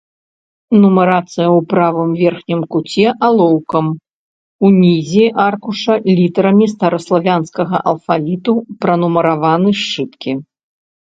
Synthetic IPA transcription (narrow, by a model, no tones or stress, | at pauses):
numɐɾat̪sɨjɐwpɾavɨmvʲɛrxnʲimkut͡sʲɛʔalˠɔwkɐm | unʲizʲiʔarkuʂɐlʲit̪ɐɾɐmʲist̪ɐɾɐslˠavʲanskɐɣɐ̰ʔɐ̰lˠfalʲit̪upɾɐnumɐɾavanɨʂt͡ʂɨt̪kʲi